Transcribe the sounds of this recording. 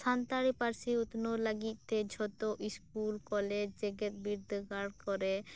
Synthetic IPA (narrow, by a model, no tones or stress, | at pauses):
sʰant̪aɽipaɾsiut̪nolaɡit̪̚ˀt̪ɛd͡ʒʱɔt̪oʔiskulkɔled͡ʒɛɡet̪̚biɾd̪əkaɽkɔɾɛ